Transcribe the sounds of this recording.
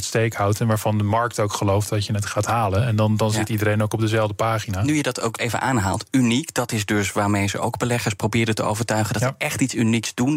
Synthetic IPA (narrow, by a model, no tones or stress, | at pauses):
tstejkawtɛnʋaːvɑndəmɑɹk̚towkχəlowftdɑtjənətχaːtɦaːlənɛndɑndɑnzzɪtidəɾejnoʊwkɔb̚dəzɛlˠvdəpaːχinaːnyjədɑto̰wkejvə̰nʔaːnɦaːlˠtynikd̥ɑtɪsdɵsʋaːɹmejzə̰ʔo̰wɡbəlɛχəɹsprowbɪːɾəntəo̰wvəɹtœɥχəndɑtsəʔɛχtitsyniksdun